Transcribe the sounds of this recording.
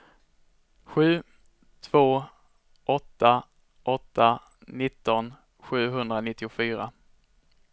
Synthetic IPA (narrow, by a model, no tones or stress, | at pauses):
ɧʉ̟ː | t̪ʰv̥oː | ʔɔt̪ːa | ʔɔt̪ːa | nɪt̪ːɔn | ɧʉ̟ːɦɵnd̪ɾanɪt̪ːɪʊfyːɾa